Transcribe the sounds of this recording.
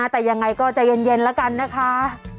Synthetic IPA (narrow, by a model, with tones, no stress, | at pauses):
a˦˥t̪ɛː˨˩ja˧ŋːa˧jkɔː˥˩t͡ɕa˨˩je˧nje˧nlɛ˦˥wka˧nːa˦˥kʰa˦˥